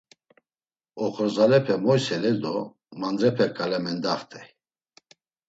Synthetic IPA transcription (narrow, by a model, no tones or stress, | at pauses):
ɔχɔɾzalɛpʰɛmɔjsɛlɛd̪ɔ | mand͡zɛpʰɛkʰʼalɛmɛnd̪aχt̪ʰɛj